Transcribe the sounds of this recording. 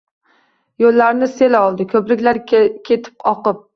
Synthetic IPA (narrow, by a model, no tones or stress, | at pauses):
jolːaɾnɪse̞laɒlˠd̪ɪkʰɵplɪkʲlaɾkʲʰe̞t̪ʰɪ̥pɒqɨp̚